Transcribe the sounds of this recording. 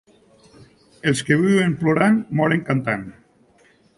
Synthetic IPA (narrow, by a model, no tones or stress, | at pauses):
elskeβywemploɾaŋmɔɾeŋkant̪aŋ